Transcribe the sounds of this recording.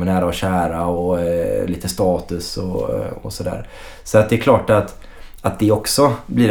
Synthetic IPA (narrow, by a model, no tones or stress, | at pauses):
ənæːɾaɔɕæːɾaɔliːt̪əst̪ɑːt̪ɵsɔ̰ɔ̰sɔd̪æ̰ːɾ | sɔat̪d̪ɛɛɾkʰlɑːʈat̪ | at̪̚d̪ɛɔksɔbliː